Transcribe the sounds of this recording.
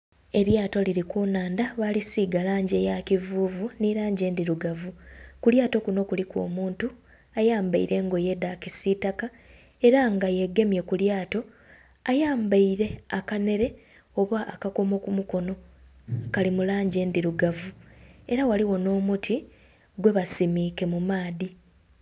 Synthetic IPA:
e̞ɾjaːto̞liɾikunaːndaβalisiːɡalaːɲɟe̞jakivuːvuniɾaːɲɟe̞ːndiɾuɡavukuljaːto̞kuno̞kulikwo̞̰ːmuːntu | ajaːmbaiɾʔe̞ŋɡo̞je̞dakisitaka | e̞ɾaŋɡaje̞ɡːe̞mje̞kuljaːto̞ | ajaːmbaiɾe̞akane̞ɾe̞ | o̞βaʔːkako̞mo̞kumuko̞no̞ | kalimulaːɲɟe̞ːndiɾuɡavue̞ɾawaliwo̞no̞ːmutʰi | ɡwe̞βasimike̞mumaːði

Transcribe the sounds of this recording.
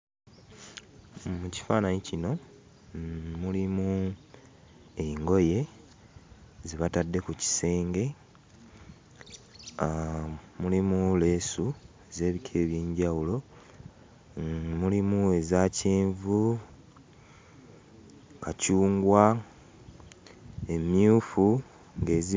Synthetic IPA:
muci̥faːnaɲicino̞ | mulimu | e̞ŋɡo̞je̞ | ziβatadːe̞kuci̥se̞ːŋɡe̞ | mulimule̞ːsueze̞ːβikʰe̞ːβjeːɲɟawulo̞ | mulimue̞zaːceːɱvu | kacuːŋɡwa | e̞mjuːfu | ŋɡe̞ːzi

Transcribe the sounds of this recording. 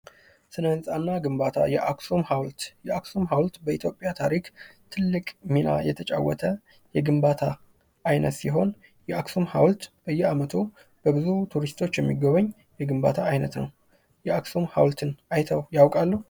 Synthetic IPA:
sɨnəɨnsʼanːaɡɨmbat̪ʰa̰jɛʔaksumhawlt̪jɛaksumɦawlt̪bəit̪ʰjo̞pʼːjat̪ʰaɾikt̪ʰɨlːɨkʼmina̰jɛt̪ʰət͡ʃʼa̰wːɔ̰t̪ʰə | jɛɡɨmbat̪ʰaː | jnət̪siɦo̞n | jɛaksumhawlt̪b̥əjːɛamət̪ʰu | b̥əbɨzut̪ʰuɾist̪ʰo̞t͡ʃːjɛmːiɡəβəɲː | jɛɡɨmba̰t̪ʰaːjnət̪nəw | jɛaksomhawlt̪ʰɨnajt̪ʰəwjawkʼalːəhu

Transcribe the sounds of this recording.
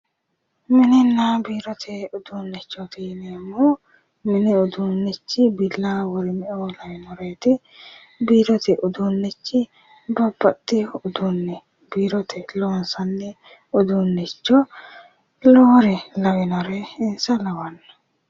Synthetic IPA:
mɪnɪnːaːbiːɾɔt̪ʰɛʊd̪uːnːɛt͡ʃːɔt̪iːneːmːɔ | mɪnɪʊd̪unːɛt͡ʃːɪbɪlːaːwɔɾɪmɛʔolɐwɪnɔɾeːt̪ɪ | biːɾɔt̪ɛʔʊd̪unːɛt͡ʃːɪ | bɐbːɐt̪ʼːɪʊd̪unːɛ | biːɾɔt̪ʰɛloːnsɐnːɛ | ʊd̪unːɛt͡ʃːɔ | lɔːɾɛlɐwɛnɔɾeɪnsɐlɐwɐnːɔ̥

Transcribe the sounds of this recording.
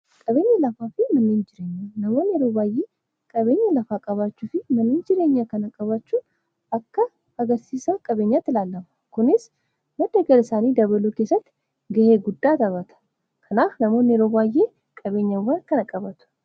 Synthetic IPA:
kʼɐβe̞ːɲːɐlɐfaːfɪmɐnːeːnd͡ʒɪɾe̞ːɲːɐnɐmo̞ːneːɾoːbaːjeː | kʼɐβe̞ːɲːɐlɐfaːkʼɐβaːt͡ʃːuːfɪmɐnːeːnd͡ʒɪɾeːɲːɐkɐnɐkʼɐβat͡ʃːuː | ɐkːɐ | ɐɡɐɾsiːsɐkʼɐbe̞ːɲːat̪ːɪlaːlːɐmɐ̥kʊnɪs | mɐd̪ːɐɡɐlɪsaːniːd̪ɐβɐluːkeːsːɐt̪ːɪ̥ | ɡɐheːɡʊd̪ːaːt̪ɐβɐt̪ʰɐ̥ | kʰɐnaːfnɐmo̞ːnːeɾoːbaːjːeː | kʼɐβe̞ːɲːɐwːankɐnɐkʼɐbɐt̪ʊ̥

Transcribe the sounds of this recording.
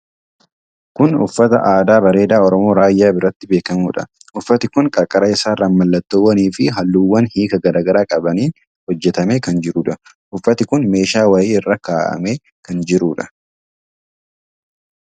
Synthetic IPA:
kʊnʊ̰fːɐt̪ɐ̰ʔaːd̪aːbɐɾe̞ːd̪aːɔɾɔmo̞ːɾaːjːaːbɪɾɐt̪ːɪbe̞ːkɐmuːᶑɐ̰ | ʔʊfːɐt̪ɪkʊnkʼɐɾkʼɐɾɐɪsaːrːɐmːɐlːɐt̪ːowːɐniːfɪɦɐlːuːwːɐnhiːkɐɡɐɾaːɡɐɾaːkʼɐbɐniː | hɔd͡ʒːɛt̪ɐmeːkɐnd͡ʒɪɾuːᶑɐ | ʔʊfːɐt̪ɪkʊnme̞ːʃaːwɐjiːɪrːɐkaːʔɐ̰meː | kɐnd͡ʒɪɾuːᶑɐ̥

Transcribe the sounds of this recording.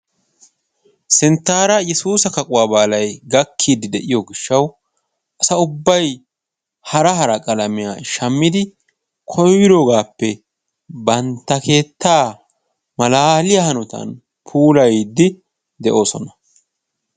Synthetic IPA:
sɪnt̪ːaːɾɐjɛsuːsɐkɐkʼʊwaːbaːlɐjɡɐkʰːiːd̪ɪd̪ɛʔɪjɔɡɪʃːɐw | ʔɐsɐʊbːɐj | hɐɾɐɦɐɾɐkʼɐlɐmɪja̰ːʃɐmːɪd̪ɪ | kʰɔjwɪd̪oːɡaːpːɛ | bɐnt̪ːɐkʰe̞ːt̪ːaː | mɐlaːlɪjahɐnʊt̪ɐ̰n | pʰuːlɐjd̪ːɪ | d̪ɛʔo̞ːsɔnɐ

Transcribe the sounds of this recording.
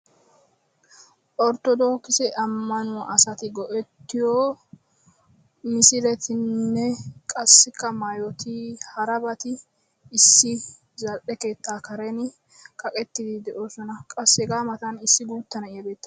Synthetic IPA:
ʔɔɾt̪ːɔd̪o̞ːkːɪsɛʔɐmːɐnʊʔɐsɐt̪ɪɡɔʔɛt̪ːɪjoː | mɪsɪɾɛt̪ʰɪnːɛkʼɐsːɪkːɐmaːjɔt̪ihɐɾɐbɐt̪ɪː | sːɪ | zɐlʔɛke̞ːt̪ːaːkɐɾɛn | kɐkʼɛt̪ːɪd̪ɪd̪ɛʔo̞ːsɔnɐkʼɐsːɛɡaːmɐt̪ɐnɪsːɪɡuːt̪ːɐnɐɪjɐbe̞ːt̪ːɐ

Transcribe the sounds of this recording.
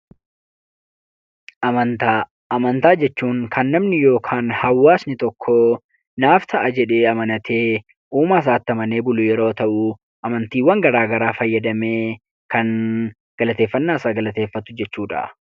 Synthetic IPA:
ʔɐmɐnt̪aː | ɐmɐnt̪aːd͡ʒɛt͡ʃːuːŋkʰɐnːɐmnɪjo̞ːkʰaːnhɐwːaːsnɪt̪ɔkʰːo | naːft̪ʰɐʔɐd͡ʒɛᶑe̞ːɐmɐnɐt̪ʰe̞ː | uːmɐːs̬aːt̪ːɐmɐne̞ːbʊlʊjɛɾo̞ːt̪ɐʔʊ | ʔɐmɐnt̪iːwɐŋɡɐɾaːɡɐɾaːfɐjːɐd̪ɐme̞ː | kɐn | ɡ̥ɐlɐt̪e̞ːfːɐnːaːsaːɡɐlɐt̪eːfːɐt̪ʊ̥d͡ʒɛt͡ʃːuːᶑɐ̰

